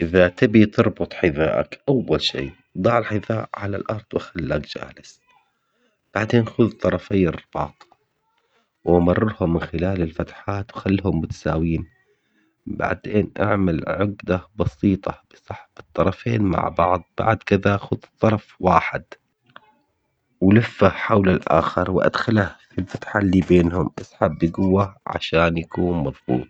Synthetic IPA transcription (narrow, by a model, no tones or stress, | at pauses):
ʔɪðat̪ɪbit̪ɨɾˤbʊt̪ˤħɪðaːʔa̰kʔawːalʃḭː | d̪ˤɑːʕɪlħɪðaːʔʕala̰lʔɑɾˤd̪ˤwʔaxalːaːkd͡ʒa̰ːlɪs | b̥aʕd̪eːnʔxʊðt̪ˤːɑɾˤɑfajɪrɪb̥ɑːt̪ˤ | wʔamɑrˤːɪɾhʊmːɪnxɪlaːlɪlfat̪ħaːt̪wxalːɦʊmbɪt̪saːwiːn | ba̰ʕd̪eːnʔa̰ʕmalʕʊɡd̪abɑsiːt̪ˤɑb̥ɨsˤɑħbɨt̪ˤːɑɾˤɑfeːnma̰ʕbɑʕðˤb̥a̰ʕd̪kɪðaʔxʊðɨt̪ˤːɑɾˤɑfwaːħɪd̪ | wlafːaħawlalʔa̰ːxɪɾˤwʔa̰d̪xalahfilfat̪ħalːiːbeːnhʊmʔasħabːjɪɡʊwːaʕa̰ʃaːnjakuːnmɑðˤbṵːt̪̚ˤ